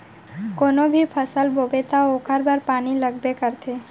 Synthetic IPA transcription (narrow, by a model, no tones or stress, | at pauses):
koːnobʱipʰəsəlbobet̪aokʰəɾbaɾpaːniləɡbekəɾt̪ʰe